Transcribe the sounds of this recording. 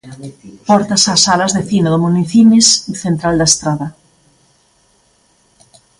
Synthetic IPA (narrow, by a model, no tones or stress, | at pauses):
pɔɾt̪asasalazðeθinoðomuniθinesθent̪ɾald̪aest̪ɾaðɐ